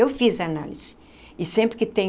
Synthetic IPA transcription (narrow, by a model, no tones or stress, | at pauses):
ewfizana̰liz̥ɪ̥ | ɪsẽmpɾɪkɪt̪ẽj